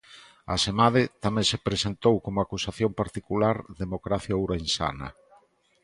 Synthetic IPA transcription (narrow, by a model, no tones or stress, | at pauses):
a̰semaðɪt̪amẽŋsepɾesent̪owkomʊakusaθjompaɾt̪ikulaɾðemokɾaθjawɾensa̰na̰